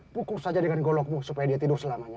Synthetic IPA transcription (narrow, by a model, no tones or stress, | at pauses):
pukʊrsad͡ʒadəŋanɡɔlɔk̚musupajadiat̪idʊrsəlamaɲa